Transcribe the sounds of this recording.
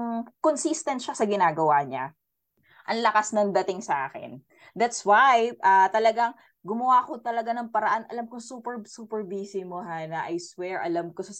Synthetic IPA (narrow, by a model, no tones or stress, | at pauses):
ŋkonsist̪ɛnt̪ʃasɐɡɪnaːɡɐwaɲa̰ | ʔɐŋlɐkasnɐŋd̪ɐt̪ɪŋsɐʔa̰ːkɪ̰n | d̪at̪swajʔat̪ɐlɐɡaŋ | ɡʊmɐwaːkot̪ɐlɐɡanɐŋpɐɾɐʔanʔɐlamkʊŋsuːpɛɹsuːpɛɹbiːsɪmohanɐʔɐjswɛɹʔɐ̰lamkosɐ